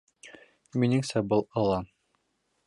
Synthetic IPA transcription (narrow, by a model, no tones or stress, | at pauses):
minɘŋsæbɤlˠɑlˠɑ